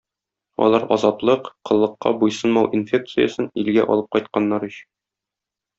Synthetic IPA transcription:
ɒ̰lˠɑɾɒ̰zɑt̪lˠɤqqɤ̆lˠːɤ̆qːɑ̰bujsɤnmɑwʔinfʲe̞k̚t̪sɨjə̰sɤnilɡæʔɒ̰lˠɤp̚qɒjt̪̚qɑnːɑɾɵɕɘ̥n

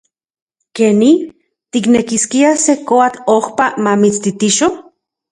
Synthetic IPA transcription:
keni | t̪iknekiskiasekoat̪ohpamamit͡st̪it̪iʃo

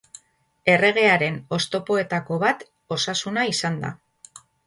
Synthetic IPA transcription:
e̞re̞ɣ̞e̞aɾe̞no̞st̪o̞po̞e̞t̪ako̞βat̪ | o̞sasunaisand̪a̰

